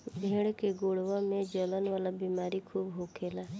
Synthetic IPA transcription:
bʱeːɽ̃keɡoːɽʋãmẽd͡ʒələnʋaːlabiːmaːɾikʰuːbɦokʰeːlaː

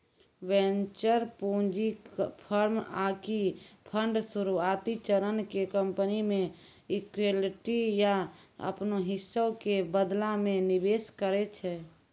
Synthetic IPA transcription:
ʋɛ̃nt͡ʃəɾpõd͡ʒikpʰəɾmakipʰəɳɖsuɾuat̪it͡ʃəɾənkekə̃mpənimẽ | ikwelʈijaə̰pnoɦɪsːəkebəd̪lamẽnɪbeːskəɾet͡ʃʰɛː

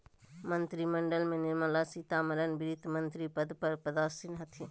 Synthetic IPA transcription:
mɐ̃nt̪ɾimɐɳɖəlmẽnɪɾmalaːsit̪aːmɐɾənbɪɾit̪mɐnt̪ɾipəd̪pɐɾpəd̪aːsinɦɐt̪ʰi

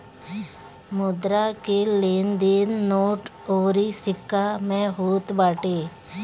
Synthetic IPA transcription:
mʊd̪ɾakeleːnd̪eːnːoːʈ | oːɾisɪkʰːamẽɦoːt̪baːʈeː

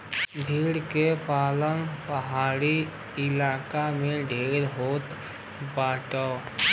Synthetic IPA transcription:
bʱiːɽkepaːlənpəɦaːɽi | ɪlaːkamẽɖʱeːɾɦoːt̪ | baːʈa

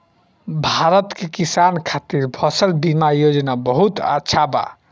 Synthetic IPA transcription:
bʱaɾət̪kekisankʰat̪iɾpʰʌsəlbimajod͡ʒnabəɦut̪a̰tːʃʰaba̰

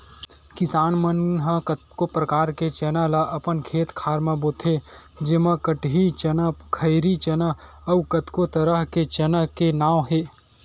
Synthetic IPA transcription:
kɪsaːnmənɦəkət̪kopɾəkaːɾket͡ʃɛːnalaʔɐpənkʰeːt̪kʰaːɾmãboːt̪ʰe | d͡ʒemãkəʈɦit͡ʃənkʰɐɪɾit͡ʃɐnə | ɐʋkət̪kot̪əɾəɦket͡ʃɐnəɦkenaːwɦeː

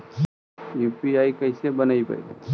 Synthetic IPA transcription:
juːpiaːikɐɪsebənaipa̰

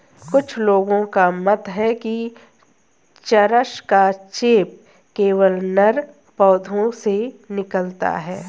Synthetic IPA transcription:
kʊt͡ʃʰloːɡõkamɐt̪ɦɛki | t͡ʃəɾəʃkat͡ʃeːp̚ | keːʋəlnɐɾ | pɔːd̪ʱõsenɪkəlt̪a̰ɦɛː

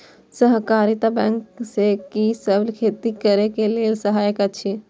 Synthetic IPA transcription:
səɦkaɾit̪abɛ̃ŋksekisəblkʰeːt̪ikəɾekeleːlsəɦaːjəkat͡ʃʰi

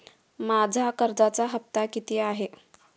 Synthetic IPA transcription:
mad͡zʱakəɾd͡zat͡saɦəp̚t̪akit̪iːaɦe

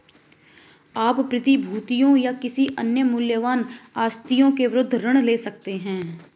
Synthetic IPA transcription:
aːpːɾɪt̪ibʱuːt̪ijõjakɪsiʔənjəmʊljəʋaːnaːst̪ijõkeʋɪɾʊd̪ʱːɾəɽ̃leːsɐkt̪eɦɛ̃ː

